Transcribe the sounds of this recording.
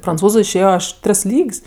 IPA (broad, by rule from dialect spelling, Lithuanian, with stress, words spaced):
prɐnˈt͡suːzʊ ɪʃʲˈeːjoː ˈɐʃ ˈtʲrʲɪs ˈlʲiːkʲsʲ